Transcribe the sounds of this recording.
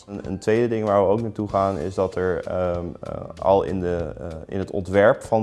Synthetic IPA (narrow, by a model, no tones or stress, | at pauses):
nə̰ntʋejdədɪŋʋaːɹʋəowknaːtuχaːnɪ̰sdɑtɛɹ | ɑ̰lˠɪ̰ndəɪ̰nɦətɔ̰ntʋɛɹpfɑn